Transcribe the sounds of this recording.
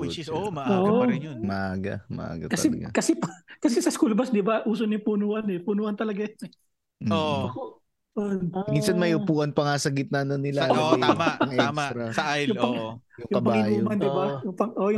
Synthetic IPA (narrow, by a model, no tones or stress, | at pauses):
ʔoːʔmɐʔaːɡɐ̰mɐ̰ʔa̰ːɡɐ̰tkɐsɛɡkɐsɛpkɐsɛsɐskulbɐsd̪ɪbaʔuːsonʊpunuːʔɐnɛpunuːhɐnt̪ɐlɐɡajnɛ | oko | ʔonmiːnsɐnmɐjʊpuːʔɐnpɐŋaːsɐɡɪt̪̚nɐɐnonɪlanoj̪amaɐŋʔɛɛk̪ɾɐɐʔajjʊŋpɐjʊŋjʊkɐbpɐaŋiːjuoːmɐnd̪ɪbajʊŋpɐŋʔojʊ